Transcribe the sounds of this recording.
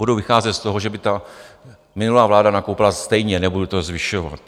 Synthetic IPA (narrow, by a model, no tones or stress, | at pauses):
budowvɪxaːzɛt̪st̪o̞ɦoʒɛbɪt̪a | mɪnulaːvlaːdanakowpɪlast̪ɛjɲɛnɛbudut̪o̞zvɪʃo̞va̰t̪̚